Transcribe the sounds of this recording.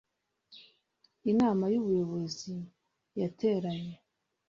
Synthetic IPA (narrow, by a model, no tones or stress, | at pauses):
inaːmajuβujo̞βo̞zi | jatʰe̞ːɾaɲe